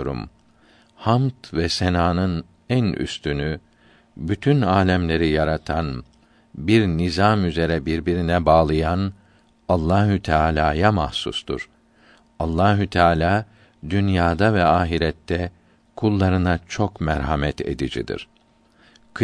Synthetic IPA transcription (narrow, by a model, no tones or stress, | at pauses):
oɾṵm | hamt̪vɛsenaːnɯn | æny̰st̪ʰyny | byt̪ʰynaːlʲɛmlʲe̞ɾijaɾat̪ʰan | biɾnizamyze̞ɾɛbiɾbiɾinɛbaːlˠɯjan | alˠːaːɦyt̪ʰaːlʲaːjamahsṵst̪ʰṵɾ̥ | alˠːaːɦut̪ʰaːlʲaː | d̪ynjaːd̪avɛaːɦiɾɛt̪ʰːɛ | kʰulˠːaɾɯnat͡ʃʰo̞kmɛɾɦamɛt̪ʰe̞̰d̪id͡ʒḭd̪ḭɾ̥ | k